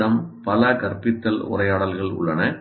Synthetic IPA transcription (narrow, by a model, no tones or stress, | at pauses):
ɐmpɐlɐkɐɾpɪt̪ːɐlʊ̰rɐɪjaːɽɐlɣɐɭʊ̰ɭːɐnɐ